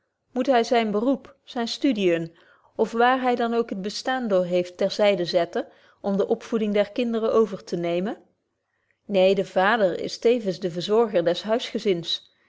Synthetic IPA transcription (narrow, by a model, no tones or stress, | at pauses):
mutɦɛjzɛjnbərupsɛjnstydijən | ɔfʋaːɹɦɛjdɑnowkɦəd̚bəstaːndʊːɹɦejftːɛɹzɛjdəzɛtə | ʔɔmdəʔɔpfudɪŋdɛɹkɪndərəʔowvəɹtʰənejmə | nejdəvaːdəɹɪ̰stejvənzdəvəɹzɔɹχəɹdɛsɦœɥsχəzɪns